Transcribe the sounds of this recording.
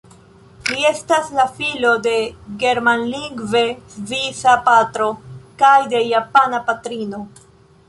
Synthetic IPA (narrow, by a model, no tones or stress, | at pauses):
lie̞staslafilo̞de̞ɡe̞ɾmanliŋɡve̞svisapatɾo̞kajde̞japanapatɾino̞